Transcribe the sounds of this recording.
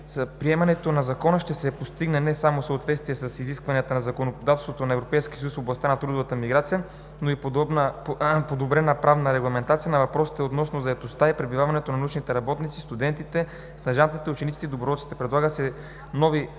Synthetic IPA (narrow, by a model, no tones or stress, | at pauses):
spɾiɛmɐnɛt̪onɐzɐkɔnəʃt̪ɛsɛpost̪iɡnɛnɛsamosəot̪vɛt̪st̪vijɛsɐsiziskvɐniət̪ənɐzɐkonopod̪at̪ɛst̪vot̪onɐɛvɾopɛjskʲiəsjusfoblˠɐst̪anɐt̪ɾud̪ovət̪əmiɡɾat̪sijə | noiponpod̪obɾɛnəpɾavnəɾɛɡlˠɐmɛnt̪at̪sijənɐvɐpɾɔsi̥t̪ɛot̪nɔsnozɐɛt̪ost̪aipɾɛbivavɐnɛt̪onɐnut͡ʃnit̪ɛɾɐbɔt̪nit̪sist̪ud̪ɛnt̪it̪ɛ | snɐʒant̪it̪ɛut͡ʃɛnit̪i̥t̪ɛid̪obɾovɔt̪si̥t̪ɛpɾɛd̪lˠaɡət̪sɛ | nɔvi